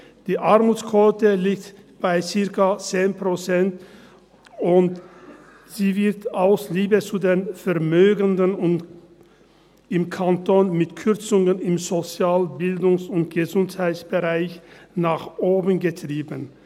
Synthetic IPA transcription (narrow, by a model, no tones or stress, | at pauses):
d̥iːʔaʁmuːt͡skʰvotəliːk̚t | b̥aɪt͡sɪɐkɐt͡seːnpʁot͡sɛnt | ʊnt | z̥iːvɪʁtaʊsliːbət͡sudeːnfɛɐmøːɡəndənʊn | ɪmkʰantonmɪtkʰʏʁt͡sʊŋənɪmzot͡sjaːlbɪldʊŋsʊntɡ̥əzʊnthaɪt͡sb̥əʁaɪçnaːχʔoːbənɡətʁ̥iːbən